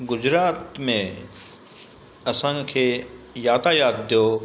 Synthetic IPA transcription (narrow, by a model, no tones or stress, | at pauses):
ɡʊd͡ʑɾaːt̪mẽ | ɐsãkʰeːjaːt̪ajaːd̪̚ːijoː